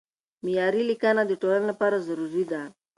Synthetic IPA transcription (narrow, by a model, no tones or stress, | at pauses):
miaɾilikanad̪itɔɾalnapaɾɔzuɾuzida